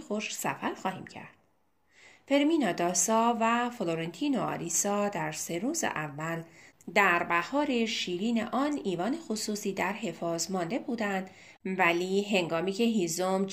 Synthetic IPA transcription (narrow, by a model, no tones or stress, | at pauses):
xoʃsæfæɾxɒːhiːmcʰæ̰ɾd̪̥ | fe̞ɾminɒd̪ɒːsɒvæfloɾent̪ʰiːnoɒ̰ːɾisɒːd̪æɾse̞ɾuːzḛʔævːæld̪æɾbæhɒːɾe̞ʃiːɾiːne̞̰ʔɒːniːvɒːne̞xosuːsiːd̪æɾɦe̞fɒːzmɒnd̪e̞buːd̪ænd̪ | væliːɦe̞ŋɡɒːmiːcʰe̞ɦizomd͡ʒ